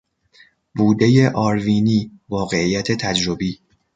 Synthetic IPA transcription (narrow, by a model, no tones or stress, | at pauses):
buːd̪e̞je̞ʔɒːɾviːniːvɒːɣe̞iːjæt̪ʰe̞t̪ʰæd͡ʒɾobiː